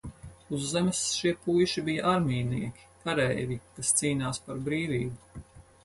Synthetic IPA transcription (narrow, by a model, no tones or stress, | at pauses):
uzːɛmɛsʃiɛpujʃibijɐʔaɾmʲiːniɛkʲi̥kaɾɛvikast̪siːnaːspaɾbɾiːviːbu